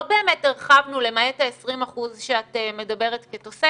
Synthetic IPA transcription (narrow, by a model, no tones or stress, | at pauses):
be̞ːmetneʁχavnule̞maetaesʁimaχuzʃeateme̞dabe̞ʁetketose